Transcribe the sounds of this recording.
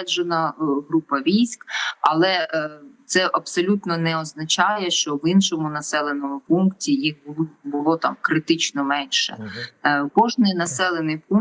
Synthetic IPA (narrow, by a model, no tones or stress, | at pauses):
ɛd͡ʒenɐɦɾupɐʋʲijsʲkɐ̰lˠɛt̪sɛʔɐpsɔlʲut̪nɔnɛɔznɐt͡ʃɑjɛʃt͡ʃɔʋinʃɔmʊnɐsɛlˠenɔmʊpunktʲijixbʊbʊlˠɔt̪ɑmkɾɪt̪ɪt͡ʃnɔmɛnʃɛ̰ | kɔʒnɪjnɐsɛlˠenɪjpun